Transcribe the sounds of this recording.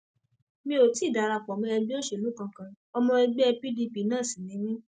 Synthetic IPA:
mĩ˧o˨ti˨˦˨da˨ɾa˧˨k͡pɔ˨mĩ˧ɛ˧bi˦o˦ʃe˨o˨u˦kã˧kã˧ | ɔ˧mɔ̃˧ɛ˧ɡ͡bɛ˦ɛ˧pi˦di˧pi˨˦nãː˦˨sĩ˨nĩ˨˦mĩ˦

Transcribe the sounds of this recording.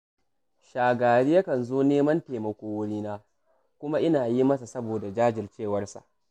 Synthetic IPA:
ʃaː˨ɡaː˨ɽi˦ja˦kɐ˨nzoː˦neː˦mɐ˦nteː˨mɐ˨kʷoː˦wʊ˦ɽiː˦naː˦ | kʷʊ˦ma˦ʔɪ˦naː˨ji˦mɐ˦sa˨sɐ˦boː˨da˨d͡ʒaː˦d͡ʒɪ˨rt͡ʃeː˦˨wɐ˦rsa̰˨ʔ

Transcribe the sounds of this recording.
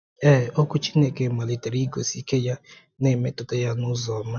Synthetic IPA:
e˦˨o˦ku˦t͡ʃi˦ne˨ke˨ma˨li˨te˨ɾi˦ɡo̰˨si˦ke˦ja˦ | ne˨me˦to˨to˦ja˦nʊ˦zɔ˨ma˦

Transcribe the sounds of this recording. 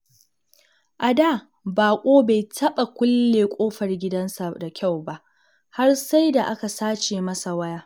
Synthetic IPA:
ʔa˨daː˦˨ | baː˨kʷʼoː˦ba˨jtʰɐ˦ɓa˨kʷʊ˦lːeː˨kʷʼoː˦ɸɐ˨rɡʲɪ˦dɐ˦nsa˨da˨kʲa˦˨wba˦ʔ | ha˦rsa˦jda˨ʔa˦ka˨saː˦t͡ʃeː˨mɐ˦sa˨wɐ˦jaː˦

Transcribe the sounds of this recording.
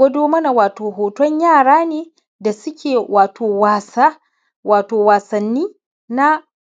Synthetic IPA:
ɐ˦doː˦mɐ˦na˨waː˨toː˨ɦoː˨tɔ˦ɲjaː˦˨ɽaː˦neː˨ | da˨sʊ˦kʲeː˨waː˨tʰoː˨waː˨sa˦ | waː˨toː˨waː˨sɐ˨nːiː˦ | na˦

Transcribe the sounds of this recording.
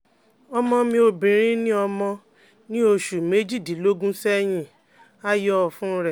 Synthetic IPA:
ɔ˧mɔ̃˧mĩ˧˦o˧bĩ˨ɾ̃ĩ˦nĩ˦ɔ˧mɔ̃˧ | nĩ˦o˧ʃu˨me˨˦d͡ʒi˦˨di˨˦lo˦ɡũ˦sɛ˦j̃ĩ˧˨ | a˦jɔ˦˨fũ˦ɾɛ˦˨

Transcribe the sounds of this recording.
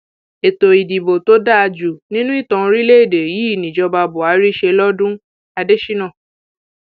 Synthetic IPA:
e˨to˨i˨di˨bo˨to˦da˦a˧d͡ʒu˨nĩ˦nũ˦i˦˨tɔ̃˨˧ɾi˦le˦i˦˨de˨ji˨˦i˦˨nĩ˨d͡ʒɔ˧ba˧bo˨a˨˧˦ɾi˦ʃe˧lɔ˦dũ˦ | a˧de˦ʃi˦nã˦˨

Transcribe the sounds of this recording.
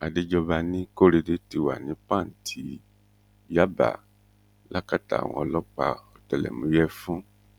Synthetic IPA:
a˨de˦d͡ʒɔ˧ba˧nĩ˦ko˦ɾe˧de˦ti˧wa̰˨nĩ˨˦pã˦˨n̩˨tʰi˨˦ | ja˦ba̰˨ | la˦ka˦ta̰˨w̃ɔ̰̃˧ɔ˧lɔ˦k͡pa̰˧ɔ˨tɛ˨lɛ̰˨mũ˨˦jɛ˦fũ˦

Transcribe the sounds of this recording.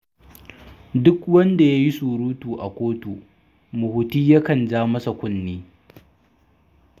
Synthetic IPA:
dʊ˦kwɐ˦nda˨ja˦ji˦suː˨ɽuː˦tuː˨ʔa˨kʷoː˦tu˨ | mʊ˨hʊ˨tiː˦ja˦kɐ˨nd͡ʒaː˦mɐ˦sa˨kʷʊ˦nːiː˦

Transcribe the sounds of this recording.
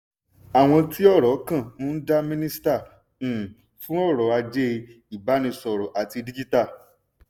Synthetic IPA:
a˨w̃ɔ̃˧ti˦ɔ˦˨ɾɔ˨˦kã˦˨nũ˦da˦mĩ˦nĩ˦stã˦˨ | fũ˦ɔ˦˨ɾɔ˨˦a˧d͡ʒe˦˧ | i˨ba˨˦nĩ˧sɔ˨ɾɔ˨ʔa˨ti˧di˦d͡ʒi˦ta˦˨

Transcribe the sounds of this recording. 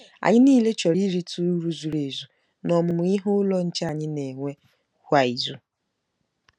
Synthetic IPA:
a̰˨ɲɪ˦niː˦le˦t͡ʃɔ˨ɾi˦ɾi˦tu˦ɾu˦zu˨ɾe˨zu˨ | nɔ˨mʊ˨mʊ˨i˦ɦʊ˦lɔ˦n̩˦t͡ʃa˨ɲɪ˦ne˨ŋʷe˦ | hʷa˨i˨zu˦

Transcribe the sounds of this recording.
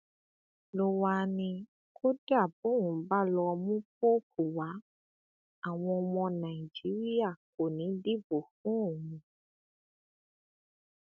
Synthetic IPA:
lo˧wa˧nĩ˧ | kʰo˦da˦˨bo˨˦wũ˨˦ba˦lɔ˧mũ˦p̚o˦pʰu˨wa˨˦ | a˨w̃ɔ̃˧ɔ˧mɔ̃˧nã˨i˨d͡ʒi˨˦ɾi˦a˦˨k̚o˨nĩ˨˦di˦bo˨fũ˨˦o˨mũ˧

